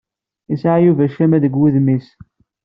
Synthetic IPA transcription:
isʕajuvæʃæmæðəɡwuðmis

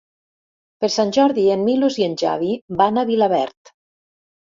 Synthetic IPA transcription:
peɾsanʲʒɔɾðienmilozienʲʒa̰βibanaβilaβɛ̰ɾt̪

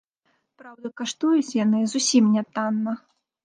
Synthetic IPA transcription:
pɾawd̪ɐkaʂt̪ujut͡sʲjanɨzusʲimnʲat̪anːɐ

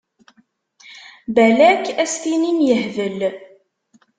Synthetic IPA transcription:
bælækːæst̪ininjəhvəl

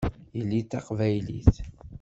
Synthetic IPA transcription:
jəlːiθɑqvæjlḭθ

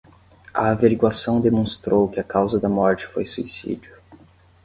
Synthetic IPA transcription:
ɐ̰ːveɾiɡwasɐ̃w̃d̪emõst̪ɾowkɪɐkawzɐd̪ɐmɔɾt͡ʃɪ̥fojsuisḭd͡ʒʊ

